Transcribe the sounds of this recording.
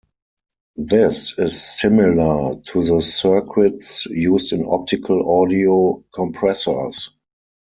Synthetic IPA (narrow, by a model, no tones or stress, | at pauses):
ðɪsɪsːɪmɪlə˞tʰuðəsɜ˞kʰɹɪtsjuːstɪ̃nɔ̰p̚tɪkʰəlɔdiokʰɔ̃mpʰɹɛsə˞s